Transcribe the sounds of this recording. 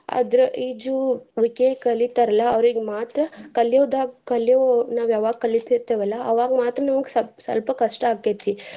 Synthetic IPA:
ɐ̰d̪ɾuʔid͡ʒuʋikekɐlit̪ɐɾɐlɐɐʋɾiɡmaːt̪ɾɐkɐljoːd̪akɐljonaːʋjɛʋaːɡ̚kɐlit̪iɾt̪eʋɐlːɐːʋaːɡmaːt̪ɾɐnɐmɐɡsɐsɐ̰lpɐkɐʂʈɐaːket̪ːi

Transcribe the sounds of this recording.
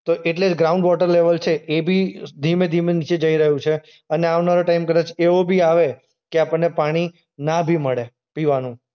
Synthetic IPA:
t̪oʔeʈled͡ʒɡɾauɳɖʋɔʈəɾleʋəlt͡ʃʰeʔːbʱid̪ʱimed̪ʱimenit͡ʃed͡ʒəiɾəɦũt͡ʃʰe | əneaʋnaɾoʈajmkəɾat͡ʃʰeobʱiaʋe | keapəɳːepaɽ̃i | nabʱiməɭe | piʋanũ

